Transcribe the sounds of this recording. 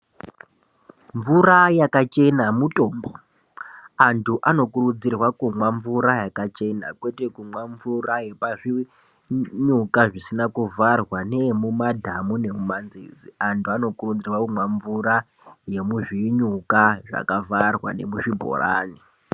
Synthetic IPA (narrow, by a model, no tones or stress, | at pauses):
ɱvuɾajakat͡ʃe̞namuto̞ːmbo | antʰuʔano̞kurud͡zirwakumwaɱvuɾajakat͡ʃe̞na̰kwe̞te̞kumwaɱvuraje̞paʐi | ɲukaʐisinakuvarwanemumadʱamune̞mumanzḭːd͡ziantʰuano̞kurud͡zirwakumwaɱvuɾa | je̞muʐiɲukaʐa̰kavarwa̰ne̞muʐibʱo̰ra̰ːni